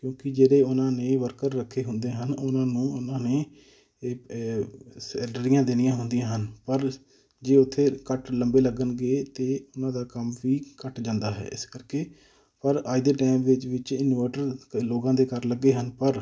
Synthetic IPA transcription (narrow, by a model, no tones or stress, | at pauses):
kjõːkɪd͡ʒeːɾeːʊnãːneːʋəɾkəɾːəkʰːeːɦʊnd̪ẽːɦənʊnãːnũːʊnãːneː | sɛːɖəɾɪjãːd̪eːnɪjãːɦʊnd̪ɪjãːɦənpəɾ | d͡ʒeːʊt̪ʰːeːkəʈləmbeːləɡənɡeːt̪eːʊnãːd̪aːkəmʋiːkəʈd͡ʒãːnd̪aːɦɛ̰ːɪ̰skəɾkeː | pəɾaːid̪eːʈaːmʋɪt͡ʃʋɪt͡ʃɪnʋəːʈəɾloːɡãːd̪eːkəɾləɡːeːɦənpəɾ